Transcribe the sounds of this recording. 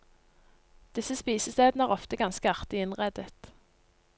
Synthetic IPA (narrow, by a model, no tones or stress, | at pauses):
d̪̥ɪsəspiːsəst̪eːd̪nəæːʁɔft̪əɡɑnskəɑʁt̪ɪɪnʁɛd̪ət̪